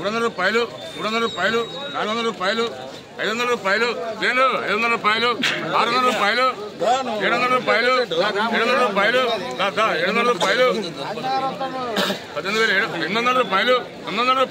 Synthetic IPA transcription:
ɽuonɐɾɐɾuːpaːjlu | muːɽund̪ɐɾɐɾuːpaːjlunaːlɡnd̪ɐɾuːpaːjlu | ɐjðonɐlɐɾuːpaːjluʋeːnuɐ̰jðɐnd̪ɐɐɾuːpaːjluaːɾɐnd̪ɐɾɾuːpaːjlu | eːɽuʋnd̪ɐɽɾuːpaːjluaeɽund̪ɐɽɾuːpaːjluɡ̪ad̪aeɽonɐɽɐɾuːpaːjlu | pɐd̪end̪uʋeːleenɐnd̪ɐɾuːpaːjlu | ɔnond̪ɐɽɾuːp

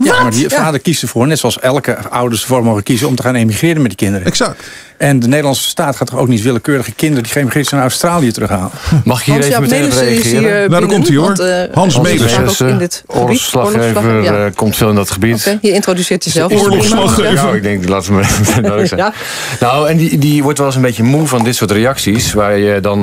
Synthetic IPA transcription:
madifaːdəɹkistəvoːrnɛtsoɑlˠsɛlˠkəawdəɹsdəvoːɹmowɣəkizəɔmtəχaːnemiχrɪːɾənmɛtdikɪndəɾəɛksak | ɛndənejdəlɑnsə̥staːtχaːtʰɔowk̚nitʋɪləkøːɾəɣəkɪndərədiχəemiχɪːtsənaawstraːliətərøxɦaːləmɑχɪkɦiːɾeəmɛreaɪːnadɔkɔmtiːoɹnmeesɪt | orfslɑevəkɔmtfɪlˠɪndɔtχəbitɦiɪntrodysɪːtjəzɛlˠlɪɡ̚dɛŋk̚laːtəmemtenoəsɛ | nawɛndidiʋɔɹtʋɛlˠɪsənbetəmuvɔndɪtsʊːɹtrejɑksisʋaːɹjədɔn

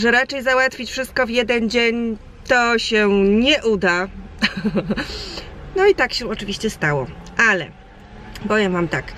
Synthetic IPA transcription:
ʐɛɾat͡ʂɛjzawat̪fʲit͡ɕfʂɘst̪̚kɔvjɛd̪ɛnd͡ʑeɲ | t̪ɔɕɛɲɛʔud̪a | nɔit̪akɕɛɔt͡ʂɘvʲiɕt͡ɕɛst̪awɔʔalɛ̰ | bɔvʲjɛmvamt̪ak

